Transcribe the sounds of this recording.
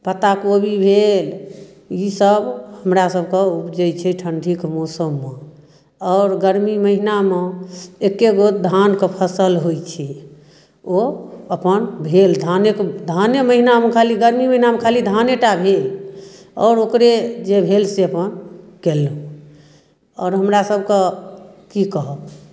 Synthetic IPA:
pət̪akobʱibʱel | isəbhəmɾasəbʱkeupd͡ʒəjt͡ʃʰɛʈʰəɳɖʱikmɔsəmːe | ɔʊɾɡəɾmiməɦinameekːeɡod̪ʱankepʰəsəlɦojt͡ʃʰɛ | oəpənbʱeld̪ʱanekd̪ʱaneməɦinamekʰaliɡəɾmiməɦinamekʰalid̪ʱaneʈabʱel | ɔ̰ːɾokɾed͡ʒebʱelseəpənkelə | ɔːɾɦəmɾasəb̚ʱkekikəɦəb

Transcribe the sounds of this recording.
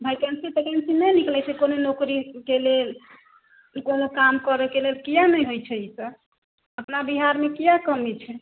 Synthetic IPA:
bʱajkensit̪ekensinəjniklɛt͡ʃʰɛkononokɾikelel | konokamkəɾekelelkijanəjɦojt͡ʃʰɛisə | əpnabiɦaɾmekijakəmit͡ʃʰɛ

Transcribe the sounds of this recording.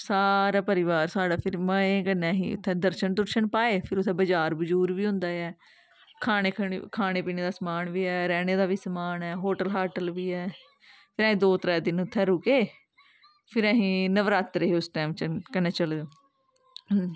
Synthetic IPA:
saːɾaːpəɾɪʋaːɾsaːɖaːpʰɪɾməẽːkənːɛ̃ːɦḭ̃ːʊ̰t̪ʰːɛ̃ːd̪əɾʃənd̪ʊɾʃəɳpaːeːpʰɪɾʊt̪ʰːɛ̃ːbəd͡ʒaːɾbəd͡ʒuːɾʋiːɦʊ̃nd̪aːɛː | kʰaːneːkʰːkʰaːneːpiːneːd̪aːsəmaːnʋiːɛːɾɛːneːd̪aːʋiːsəmaːnɛːɦoːʈəlɦaːʈəlʋiːɛː | pʰɪɾãːɦĩːd̪oːt̪ɾɛːd̪ɪnʊt̪ʰːɛ̃ːɾʊkeː | pʰɪɾɛ̃ːɦĩːnəʋɾaːt̪ɾəɦeːʊsʈɛːmt͡ʃəkənːɛ̃ːt͡ʃəld̪ː

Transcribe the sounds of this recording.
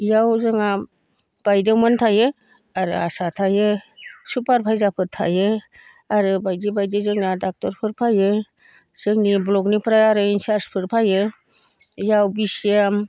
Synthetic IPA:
jawzɯŋa | b̥ajdewmɯntʰajɯ | aɾɯ̰a̰satʰajɯsupaɾpʰajzapʰɯtʰa̰jɯ | aɾɯbajdibajdizɯŋnadak̚tɔɾpʰɯɾpʰajɯ | z̥ɯŋniblɔknipʰɾaaɾɯinsaɾspʰɯɾpʰajɯ | jawbisam

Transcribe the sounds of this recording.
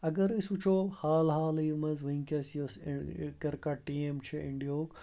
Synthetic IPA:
ɐɡɐɾɪsut͡ʃʰohaːlɦaːliːmɐzʋɐĩkaːsioskɐɾkaʈiːeːmt͡ʃʰeɪ̃ɳɖijoːk

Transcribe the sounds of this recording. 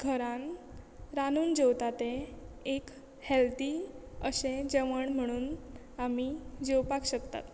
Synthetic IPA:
ɡʱəɾãnɾanuːnd͡ʑewt̪at̪ẽek | hɛlt̪iəɕẽd͡ʑəʋəɳm̤əɽ̃uːn | amid͡ʑewpakɕəkt̪a̰t̪

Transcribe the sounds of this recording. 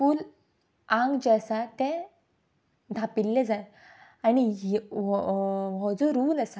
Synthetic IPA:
fuːl | ãŋɡd͡ʑɛsat̪ɛ̃ | d̪ʱapilːɛd͡za | aniɦ | ʋɔd͡zɔɾuːlasa

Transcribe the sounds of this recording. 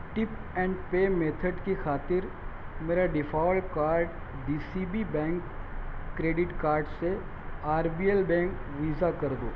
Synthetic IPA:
ʈɪp | ɛ̃ːɳɖpeːmeːt̪ʰəɖkixaːt̪ɪɾ | meːɾaɖɪfʰaːlkaːɾɖ | ɖiːsibibɛ̃ːŋkː | ɾeːɖɪʈkaːɾɖse | aːɾbiːɛlbɛ̃ːŋkʋiːzakɐɾd̪oː

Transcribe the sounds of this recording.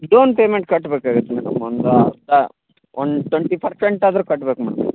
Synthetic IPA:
doːnpeːmeɳʈ̚kɐʈːbeːkaːɡut̪ːemɐnɐmːɐnd̪ut̪ːɐ | ond̪ʈweɳʈipʰɐɾseɳʈaːd̪ɐɾukɐʈːbeːkmɐːɽɐm

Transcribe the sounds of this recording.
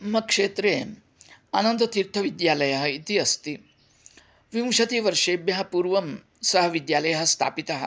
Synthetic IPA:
mɐkʂeːt̪ɾeː | anɐnd̪ɐt̪iɾt̪ʰɐʋid̪jaːlɐjɐɦɐit̪iɐst̪i | ʋimʃɐt̪iʋɐɾʂeːbjɐɦɐpuːɾʋɐm | sɐɦɐʋid̪jaːlɐjɐɦɐ̆st̪ʰa̰ːpit̪ɐɦɐ̰̆

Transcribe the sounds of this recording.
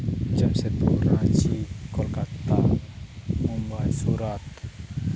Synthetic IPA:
d͡ʒamsɛt̪uɾat͡ʃikɔlkat̪a | mumbasuɾat̪

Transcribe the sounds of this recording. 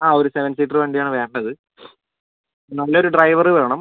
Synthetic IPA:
aːo̞ɾuseʋɐnsiːʈ̬ːrʋeːɳɖijaːɳɨʋe̞ːɳɖɐðɨ | nɐlːɐo̞ɾuɖrɐjʋɐrɨʋeːɳɐm

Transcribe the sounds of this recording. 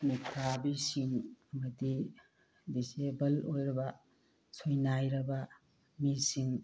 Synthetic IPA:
mikʰɾabisiŋɐmɐdi | disebɐlojɾɐbɐ | sojnajɾɐbɐ | misiŋ

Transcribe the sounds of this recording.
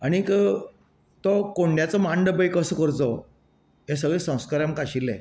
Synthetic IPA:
aɽ̃ikə | t̪ɔkoɳɖjat͡sɔmaɳɖəbəjkəsəkəɾt͡sɔ | ɦes̬əɡɭesə̃w̃skaɾamkaɕilːḛ

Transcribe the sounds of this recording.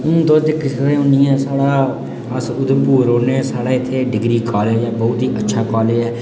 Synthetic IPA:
ʊñːd̪oːd̪ɪkʰːsɾeːʊnĩːɛːsaːɽaː | əsʊd̪puːɾoːneːsaːɽaːɪt̪ʰːeːɖɪɡɾiːkɔːlɛːd͡ʒɛːbɔːt̪ɦiːʔətːʃʰaːkɔːleːd͡ʒɛː

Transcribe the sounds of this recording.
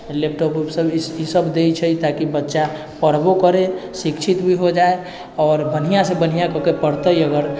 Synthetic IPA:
lep̚ʈopupsəbisəbd̪et͡ʃʰəit̪akibətːʃa | pəɾbokəɾesikt͡ʃʰit̪bʱiɦod͡ʒae | ɔːɾbən̤ijãsebən̤ijakəkepəɽt̪əjəɡəɾ

